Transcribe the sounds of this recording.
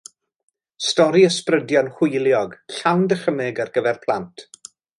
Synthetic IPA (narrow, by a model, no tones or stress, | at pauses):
stɔɾiəsprədjɔnχwʊjlˠjɔɡɬawndəχəmɪɡarɡəvɛrpʰlˠa̰ntʰ